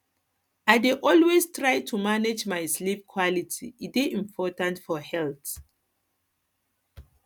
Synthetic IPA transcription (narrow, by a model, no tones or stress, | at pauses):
ajdeʔɔlwestʰɹajtʰumaned͡ʒmajslipkʰwɔlitʰḭideĩmpʰɔtãntfɔhɛlt